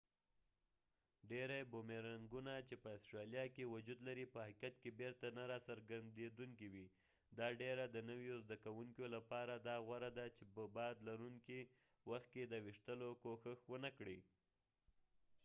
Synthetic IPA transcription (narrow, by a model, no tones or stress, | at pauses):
ɖeɾajbomeɾaŋɡunat͡ʃepəastɾɑljɑkewʊd͡ʒud̪laɾipəhakjat̪̚kebeɾt̪anaɾɑsaɾɡand̪ed̪uŋkiwi | d̪ɑɖeɾad̪ənəwjozd̪akawuŋkolapɑɾad̪ɑɣwaɾad̪at͡ʃepəbɑd̪laɾuŋki | waxt̪̚ked̪əwiʂt̪əlokoxəxwənakɽi